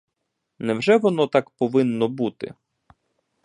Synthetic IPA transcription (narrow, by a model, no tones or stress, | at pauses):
nɛwʒɛʋɔnɔt̪akpɔʋɪnːɔbut̪ɪ̰